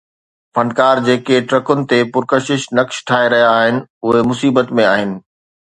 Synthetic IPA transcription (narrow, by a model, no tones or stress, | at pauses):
fɐ̃ɳɖkaːɾd͡ʑeːkeʈɾɐkʊnɪ̆t̪epʊɾkəʃɪʃnɐkʃʈʰaːɦeɾɐɦijaːɦɪnɪ̆ʊɦemʊsiːbət̪mẽaːɦɪnɪ̆